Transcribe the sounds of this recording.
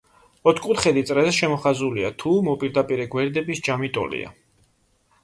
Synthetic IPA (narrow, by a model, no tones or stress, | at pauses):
ɔt̪ʰkʼut̪χɛd̪it̪sʼɾɛzɛʃɛmɔχazuliat̪ʰumɔpʼiɾd̪apʼiɾɛɡwɛɾd̪ɛbisd͡ʒamit̪ʼɔ̰lḭa̰